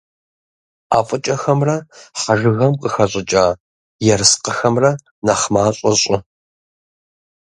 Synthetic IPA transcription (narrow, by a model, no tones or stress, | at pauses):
aːfʼɨt͡ʃʼɐxɐmrɐħaʒɨɣɐmqəxɐɕʼɪt͡ʃʼaː | jɛrɨsqəxɐmrɐ | nɐχmaːɕʼɐɕʼɪ